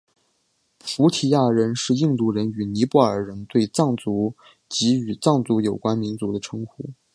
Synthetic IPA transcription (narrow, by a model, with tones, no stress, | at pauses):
pʰu˧˥t̪ʰi˨˩ja˥˩ɻə˧˥nʂɻ̩˥˧i˥˧ŋt̪u˥˩ɻə˧˥ny˨˩ni˧˥pu˥˩ə˞˨˩ɻə˧˥nt̪we˥˧ɪt͡sɑ˥˩ŋt͡su˧˥ | t͡ɕi˧˥y˨˩t͡sɑ˥˩ŋt͡su˧˥jo˨˩ʊkwa˥nmi˧˥nt͡su˧˥d̪ə˧ʈ͡ʂʰɤ˧˥ŋxṵ˥˩˦